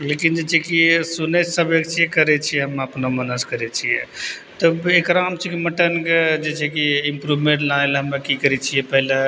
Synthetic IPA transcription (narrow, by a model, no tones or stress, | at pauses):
lekind͡ʒet͡ʃʰɛkisunesəbekt͡ʃʰijɛkəɾɛt͡ʃʰijɛɦəməpnomənəskəɾɛt͡ʃʰijɛ | t̪ɔekɾaɦəmt͡ʃʰɛkiməʈənked͡ʒet͡ʃʰɛkiimpɾubmẽɳʈlaelɦəmekikəɾɛt͡ʃʰijɛpəɦle